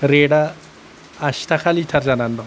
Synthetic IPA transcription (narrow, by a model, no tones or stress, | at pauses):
ɾeɽaː | ɕtʰakʰalitʰaɾd͡ʑanandɔ